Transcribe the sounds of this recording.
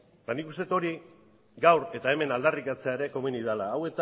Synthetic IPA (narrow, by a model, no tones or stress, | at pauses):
et̪anikust̪e̞t̪o̞ɾi | ɡawɾe̞t̪ae̞me̞nald̪arikat͡seaeɾe̞ko̞muniðalaːwe̞t̪